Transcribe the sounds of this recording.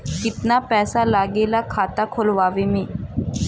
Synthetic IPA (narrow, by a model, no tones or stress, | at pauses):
kɪt̪napɛːsalaɡelakʰat̪akʰolʋaʋemi